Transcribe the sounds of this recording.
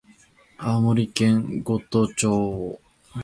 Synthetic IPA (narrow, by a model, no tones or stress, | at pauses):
amoɾʲikẽŋɡot̪ot͡ɕoː